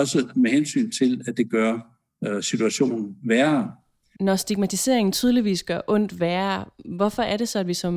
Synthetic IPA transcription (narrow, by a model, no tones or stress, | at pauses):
ɒ̽səmeɦensy̰ːnt͡sʰe̝læd̥e̝ɡ̥ɶɐ̰ | sit͡sʰuæɕo̝̰ːnn̩ʋæːɐ | nɒsd̥iɡ̥mæt͡sʰise̝̰ɐ̰e̝ŋn̩t͡sʰyːð̞ˠliʋḭːsɡ̥ɶɐʔɔ̽n̰d̥ʋæːɐʋɒ̽fɒ̽æɐɾe̝sɒ̽æd̥ʋisɒ̽m